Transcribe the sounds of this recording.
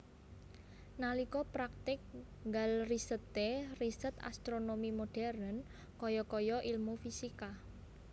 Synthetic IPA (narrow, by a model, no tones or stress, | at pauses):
nalikɔpɾak̚t̪ɪk̚ | ŋɡalrisət̪erisət̪a̰st̪ɾonomimoɖ̥ɛ̤ɾən | kɔjɔkɔjɔʔilmufisika